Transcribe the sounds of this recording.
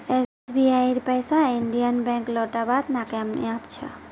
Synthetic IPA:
e | biajiɾpəjsaiɳɖijənbɛ̃ŋklɔʈabat̪nakamḭapt͡ʃʰə̰

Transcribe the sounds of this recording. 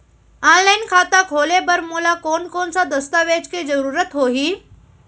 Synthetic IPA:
ãːnlaːɪnkʰaːt̪akʰoːlebɐɾmoːlakoːnkoːnsãd̪ɐst̪aːʋeːd͡ʑkʰezɐɾuːɾət̪ɦoːɦiː

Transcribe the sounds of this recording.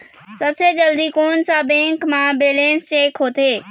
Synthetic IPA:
sɐbsed͡ʑɐld̪ikoːnsãbɛ̃ːŋkmãbeːlẽːnst͡ɕeːkɦoːt̪eː

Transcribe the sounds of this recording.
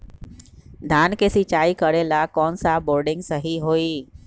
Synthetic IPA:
d̪ʱaːnkesɪt͡ʃaːikəɾelakɔːnsaboːɾɖɪ̃ŋɡsəɦiɦoːiː

